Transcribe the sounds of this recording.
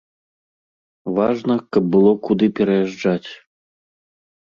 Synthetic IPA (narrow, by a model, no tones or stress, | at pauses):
vaʐnɐkɐb̚ːɨlˠɔkud̪ɨpʲɛɾɐjaʐd͡ʐat͡sʲ